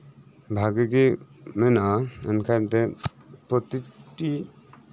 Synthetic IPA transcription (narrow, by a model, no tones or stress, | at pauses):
bʱaɡeɡemɛnaə̰nkʰant̪ɛ | pɾɔt̪iʈi